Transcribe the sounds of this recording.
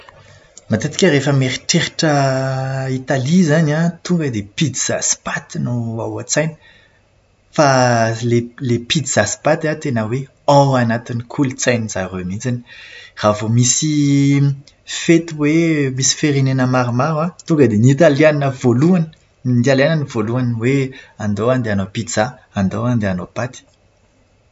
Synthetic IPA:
mat̪et̪i̥kʲəɾefəmeɾiʈ͡ʂeɾiʈ͡ʂə | it̪alizanat̪uŋɡəd̪epid̪iz̥a̰si̥pat̪inuawat͡sajni̥ | falelepid̪iz̥asi̥pat̪at̪enəwe | awanat̪inikʰult͡sajniza̰remit͡sani̥ravomisi | fet̪iwemisi̥feɾinenəmaɾimaɾwat̪uŋɡəd̪enit̪aliannəvoluanə̥ | nind̪ialananivoluanweand̪oand̪eanopid̪z̥a | and̪oand̪eanopat̪i̥

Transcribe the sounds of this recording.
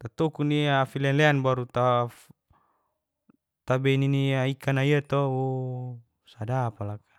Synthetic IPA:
t̪at̪ɔkuniafilɛnlɛanbaɾut̪a | t̪abɛniniaikanaiat̪ɔu | sadapalakḁ

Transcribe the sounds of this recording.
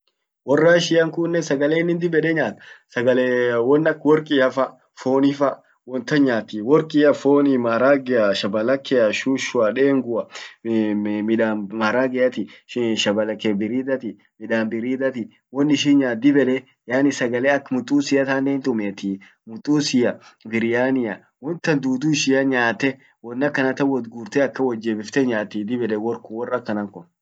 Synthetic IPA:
wɔrːaːɪʃɪjɐŋkʊnːɛsɐɡɐleːnːɪnd̪ɪbɛᶑɛɲaːt̪sɐɡɐlewɔnːɐkːwɔɾkʼɪɐfɐ | foːnɪfɐ | wɔnt̪ɐɲaːt̪ːiwɔɾkʼɪɐfoːnimaːɾaːɡɛɐʃɐbɐlɐkːɛɐʃuːʃʊɐᶑeːŋɡʊɐ | mɪᶑamaɾaːɡɛʔɐt̪ɪʃɐbɐlɐkːɛbɪɾiːd̪ɐt̪ɪ | mɪᶑaːmbɪɾiːd̪ɐt̪ɪ | wɔnːɪʃiːnɲaːd̪ɪbɛlɛ | jaːnɪsɐɡɐleːɐkmʊt̪ʼːuːsɪjɐt̪aːneːnt̪ʊmeːt̪ɪ | mʊt̪ʼːuːsɪjɐbɪɾɪjaːnɪjɐ | wɔnt̪ːɐnd̪uːd̪uːʃɪjɐɲaːt̪ːɛ | wɔnːɐkːɐnɐt̪ɐwɔd̪ɡuːɾt̪ɛɐkːɐwɔd͡ʒːeːbɪft̪ɛɲaːt̪ːid̪ɪbɛlɛwɔɾkʊwɔrːɐkːɐnɐŋkɔ

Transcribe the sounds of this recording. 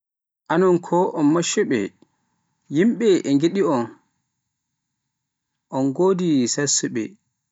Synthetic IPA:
ʔanɔnkʰɔʔɔnmaʃːɛɓɛ̰ | jimɓɛʔɛŋɡiɗiɔn | ʔɔnɡoːdisasuɓɛ̰

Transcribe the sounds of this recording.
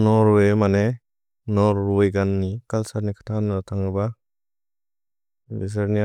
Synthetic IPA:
nɔɾwemane | nɔɾːɔjɡanːikalsaɾnikʰḁtʰanatʰaŋɾɯba | bis̬aɾni

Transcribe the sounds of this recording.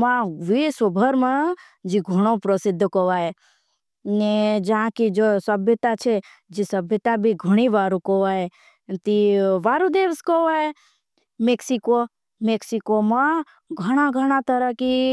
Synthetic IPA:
mãʋisʋəbʱəɾmã | d͡ʒiɡʱəɽ̃opɾəsɪd̪ʱːkəʋae | ned͡ʒaɦãkid͡ʒosəbʱjət̪at͡ʃʰe | d͡ʒisəbjət̪abʱiɡʱəɽ̃iʋaːɾũkəʋae | t̪iʋaːɾud̪eʋskəʋae | meksiko | meksikomã | ɡʱəɽ̃aɡʱəɽ̃at̪əɾəki

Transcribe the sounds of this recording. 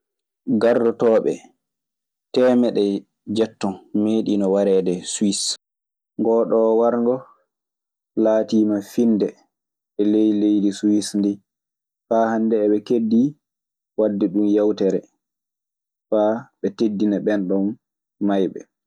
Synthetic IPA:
ɡardɔtɔːɓɛ̰ | tɛːmɛɗɛ | d͡ʒɛtːɔnmeːɗinɔwaɾɛːdɛswis | ŋɡɔːɗɔwaɾŋɡɔ | laːtiːmafindɛ | ɓɛlejlejdisuwisndi | fahandɛːɓɛkedːi | wadːɛɗumjawtɛɾɛ | faɓɛtedːinaɓɛnɗɔn | majɓɛ̰

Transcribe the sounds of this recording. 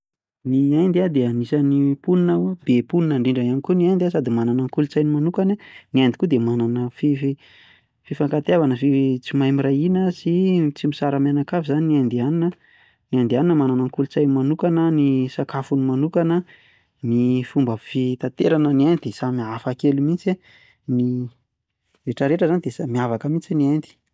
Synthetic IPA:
niajnd̪iad̪eanisanipuninəb̥epuninaɳɖ͡ʐiɳɖ͡ʐaiamikuniajnd̪ias̬ad̪imananaŋkulut͡sajnimanukananiajnd̪i̥kud̪emananəfifi | fifaŋkat̪eavanəfit͡simajmiɾainəsit͡simisaɾamanakavizaniniajnd̪ianinə | niand̪ianinəmananəŋkulut͡sajnimanukanənisakafunimanukanə | nifumbəfit̪at̪eɾanəniajnid̪esamiafakelumint͡se | ni | ɾeʈ͡ʂəɾeʈ͡ʂəzanid̪esamiavakəmint͡siniand̪i̥

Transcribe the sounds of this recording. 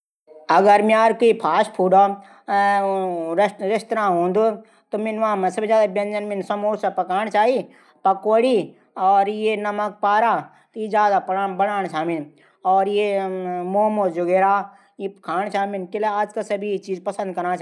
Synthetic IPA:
ɐɡəɾmjaːɾkoipʰaːʃpʰuːɖo | ɾɪst̪ɾãːɦõːnd̪u | t̪omɪnʋãːmɛ̃sɐbid͡ʒaːd̪abjɐ̃nd͡ʒɐnmɪnsɐmoːɾsapɐkaːɳ̃t͡ʃaːɦi | pɐkoːɽi | ɔːɾjenɐmək̚paːɾaː | t̪ojid͡ʒaːd̪apːbɐɽaːñt͡ʃʰaːmɪn | ɔːɾjemoːmod͡ʒʊɡeːɾaː | jikʰaːñt͡ʃaːimɪnkeleaːd͡ʒkasɐbʱit͡ʃiːzpɐsə̃nd̪̚kɐɾnat͡ʃa

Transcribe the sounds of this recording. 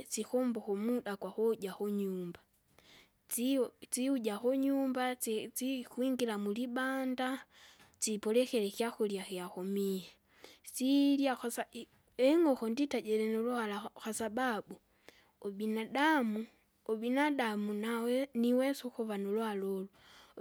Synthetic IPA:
t͡sixoːmboxomuɗakwaxoɟaxoɲuːmba | t͡st͡siuɟaxoɲuːmbat͡sixwiːŋɡilamulibaːndat͡sipolexelexjaxuljaxiaxomije | t͡siljaxasa | eŋɡoxonditaɟelenolualaxasababu | obinadamu | obinadamunaweniwesoxuβanolwalolo

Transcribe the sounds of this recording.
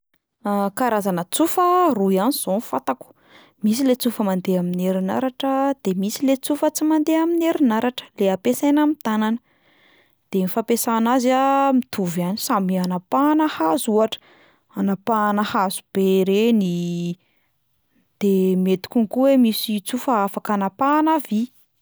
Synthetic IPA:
kaɾazanət͡sufəruianiz̥onfat̪aku̥ | misilet͡sufəmand̪eamineɾina̰ɾaʈ͡ʂəd̪̥emisilet͡sufət͡simand̪eamineɾinaɾaʈ͡ʂə̥leapesenamit̪ananə | d̪̥enifapesanazamit̪ʰuvanisamianapanəhazuaʈ͡ʂə̥ | anapanəhazub̥eɾeni | d̪̥emet̪u̥kʲunikuwemisit͡sufəafakanapanavi

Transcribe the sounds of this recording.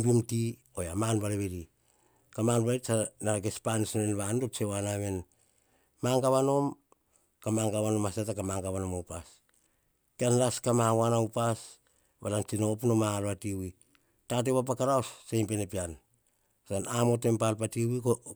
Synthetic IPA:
bimti | ojamanbaleβeɾi | kamanbalesanaɡe̞spanisnenβandot͡ʃewanaβe̞n | maŋɡaβano̞m | kamaŋɡaβano̞masatakamaŋɡaβano̞mowpas | kianlaskamawanaupas | βa̰lant͡ʃinopunomalβatiwi | tat̬eβap̬akaɾaosːejmpe̞nepian | sanamo̞te̞mpalpatiwiko

